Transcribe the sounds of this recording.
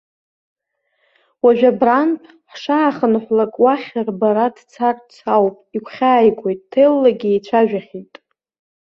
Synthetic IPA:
waʒᶣabranpʼʰ | ħʂaːχənħʷlakʼwaχʲarbaɾadt͡sʰarʼt͡sʰawpʼikʷʰχʲaːjɡʷʼo̞jtʼːʰejlːaɡʲiet͡ʃʷʰaʒᶣaχʲitʼ

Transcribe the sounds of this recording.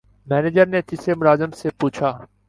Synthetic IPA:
mɛːneːd͡ʒəɾnet̪ɪsemʊɾaːzəmsepuːt͡ʃʰaː

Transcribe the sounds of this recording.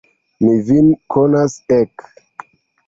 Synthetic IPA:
mivinkʰonasek

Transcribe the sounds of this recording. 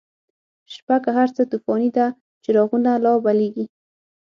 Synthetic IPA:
ʃpakaɦaɾt͡sət̪ufɑnid̪a | t͡ʃɪɾɑɣunalɑbaleɡi

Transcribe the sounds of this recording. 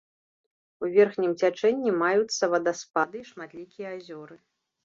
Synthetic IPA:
uvʲɛrxnʲimt͡sʲat͡ʂɛnʲːimajut̪sːɐvɐd̪ɐspad̪ɨiʂmat̪lʲikʲijɐazʲɔɾɨ

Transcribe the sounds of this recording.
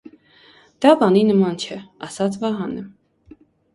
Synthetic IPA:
d̪̥ɑbɑninəmɑnt͡ʃʰɛɑsɑt͡sʰvɑɦɑnɛ

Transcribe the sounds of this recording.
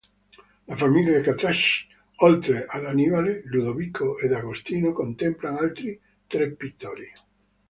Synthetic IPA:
lafamiljaðekat̪ɾaʃ | ɔlt̪ɾeʔalanivaleluðoβikʰoed̪aɣost̪inokont̪emplaŋalt̪ɾi | t̪ɾepːit̪ːɔɾi

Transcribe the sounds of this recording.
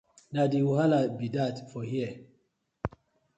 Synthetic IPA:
nadiwuhalabidatfɔhiə

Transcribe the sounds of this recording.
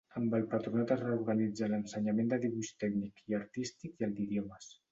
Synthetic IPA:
əmbəlˠpət̪ɾunat̪ərəuɾɣənid͡zələnsəɲamend̪əðiβuʃt̪ɛknikiəɾt̪ist̪ikiəlˠd̪iðjɔməs

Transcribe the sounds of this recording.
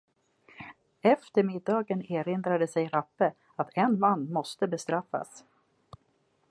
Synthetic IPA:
ɛft̪əɾmɪd̪ːɑːɡəneːɾɪnd̪ɾad̪əsɛjɾapːə | at̪ʰɛnmanːmɔst̪əbɛst̪ɾafːa̰s

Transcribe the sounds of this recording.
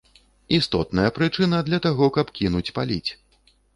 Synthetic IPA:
ist̪ɔt̪nɐjɐpɾɨt͡ʂɨnɐd̪lʲɐt̪aɣɔkɐpkʲinut͡sʲpalʲit͡sʲ

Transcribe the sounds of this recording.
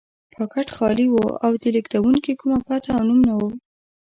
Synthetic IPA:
pʰɑkaʈxɑliwoa̰wd̪əlikd̪awuŋkikumapat̪aːwnumnawu

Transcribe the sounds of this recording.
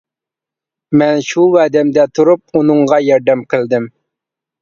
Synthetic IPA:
mɛnʃuwæd̪ɛmd̪ɛt̪ʰuɾup̚unɨɴʁɑjɑɾd̪ɛmqʰəlˠd̪ɪm

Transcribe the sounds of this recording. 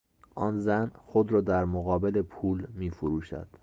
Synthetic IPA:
ʔɒːnzænxo̞d̪ɾɒːd̪æɾmoɣɒːbele̞pʰuːlmiːfuɾuːʃæ̰d̪̥

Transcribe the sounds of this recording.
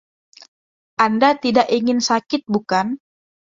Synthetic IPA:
ʔandat̪idaʔiŋɪnsakɪt̪̚bukan

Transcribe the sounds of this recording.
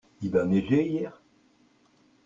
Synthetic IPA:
ilaneʒeijɛːʁ

